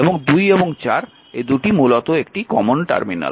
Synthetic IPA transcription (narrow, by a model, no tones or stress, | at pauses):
eboŋd̪ujeboŋt͡ɕaɾ | ed̪uʈimulot̪oekʈikɔmonʈa̰ɾmina̰l